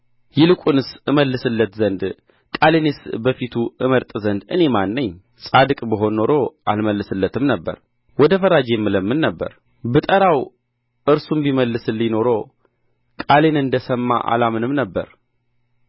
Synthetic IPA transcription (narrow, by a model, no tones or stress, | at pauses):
jɛlɨkʼunɨsɨməlːɨsɨlːət̪zənd̪ | kʼalenesbəfit̪ʰuɨməɾt̪ʼzənd̪ɨne̞manːəɲː | sʼad̪ɨkʼbəɦo̞nːo̞ɾo̞ʔalməlːɨsɨlːət̪ʰɨmnəbːə̰ɾ | wɔd̪əfəɾad͡ʒemːɨləmːɨnːəbːə̰ɾ | bɨt̪ʼəɾaw | ʔɨɾsumbiməlːɨsɨlːino̞ɾo̞ | kʼalenɨnd̪əsəmːa̰ʔa̰lamɨnɨmnəbːə̰ɾ